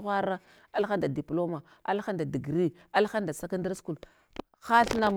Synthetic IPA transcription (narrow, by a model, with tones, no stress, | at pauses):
xʷa˦ɾa˦ | a˦lxa˦nda˨di˨plo˦ma˨ | a̰˦lxa˦nda˨di˨ɡɾi˦ | a˦lxa˦nda˨sa˦ka˦nda˦ɾsku˨l | xa˦ɬna˦m